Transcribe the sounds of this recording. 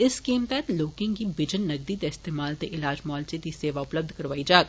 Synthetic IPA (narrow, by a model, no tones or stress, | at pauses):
ɪskiːmt̪ɛːt̪loːkɪ̃ŋkibɪd͡ʒənːɐɡ̚d̪it̪eɪst̪eːmaːlt̪eʔɪlaːd͡ʒmɔːlsit̪iseːʋaʊpləb̚d̪ʱkɐɾʋaːid͡ʒaːk